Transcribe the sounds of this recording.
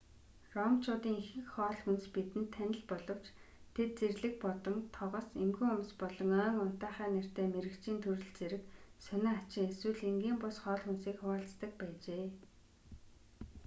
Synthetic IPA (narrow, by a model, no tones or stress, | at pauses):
rɔmt͡ɕʰʊːt̪iːŋxɘ̆kχɔːɮxunspit̪ɘ̆n̥t̪ʰːænɪ̆ɮpɔɮɞ̆w̥t͡ɕt̪ʰet̪̚t͡serɮɘ̆k̚pɔt̪ɞ̆mt̪ʰɔʁɞ̆semɡuʊmspɔɮɞ̆ŋœːŋʊn̥t̪æːχæːner̥t̪eːmeɾɘ̆kt͡ɕiːnt̪ʰurɘ̆ɮt͡seɾɘ̆ksœneːat͡ɕɪ̆ŋeswɘ̆ɮeŋɡiːmpʊsχɔːɮxunsiːkχʊaːɬt͡st̪ə̆k̚pæːt͡ɕeː